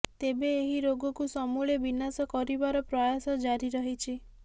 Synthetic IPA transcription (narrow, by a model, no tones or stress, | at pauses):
t̪ebeːɦiɾoɡɔkusɔmuɭebinasɔkɔɾibaɾɔpɾɔjasɔd͡ʒaɾiɾɔɦit͡ʃʰi